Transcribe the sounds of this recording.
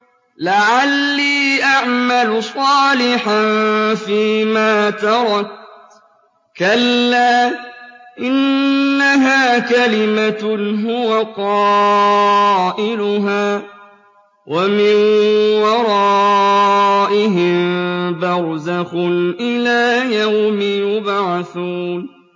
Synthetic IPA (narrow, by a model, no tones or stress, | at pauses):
laʕalːiːʔaʕmalʊsˤɑːlɪħanfiːmaːt̪ɑɾˤɑt̪ | kalːaː | ʔɪnːaɦaːkalɪmaɦʊwaqɑː | ʔɪlʊɦaː | wʔamɪnwɑɾˤɑː | ʔɪɦɪmbɑɾˤzaxʊnʔɪlaːjawmɪjʊbaʕθuːn